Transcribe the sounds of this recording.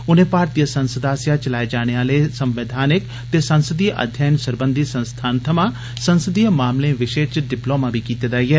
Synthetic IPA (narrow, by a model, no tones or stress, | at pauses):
ʊnẽːpaːɾt̪ijəsə̃nsəd̪aːsjaːt͡ʃəlaːed͡ʒaːɽ̃eaːleːsəmʋeːd̪ʱaːnɪk | t̪eːsənsəd̪iːʔə̰d̪ʱjaːjnsəɾbə̃nd̪isə̃nst̪ʰaːnt̪ʰəmãː | sənsəd̪iːəmaːmlẽːʋɪʃeːt͡ʃɖɪploːmãːbʱiːkiːt̪eːd̪aːiɦɛː